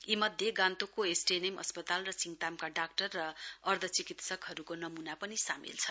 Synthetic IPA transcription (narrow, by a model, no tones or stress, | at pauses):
imʌd̪ʱjeɡãnt̪ukoesʈenemʌ̰spʌt̪alrʌsiŋt̪amkaɖak̚ʈʌrːʌːrd̪ʱʌt͡sikit̪sʌkɦʌɾukonʌmunapʌnisamḭlt͡sʰʌ